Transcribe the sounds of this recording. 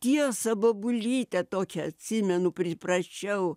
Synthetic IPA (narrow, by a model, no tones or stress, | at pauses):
t̪ʲiɛsɐboːbʊlʲiːt̪ʲɛt̪oːkʲɛɐt̪ʲsʲimʲɛnʊpʲɾʲɪprɐsʲt͡ʃʲɛʊ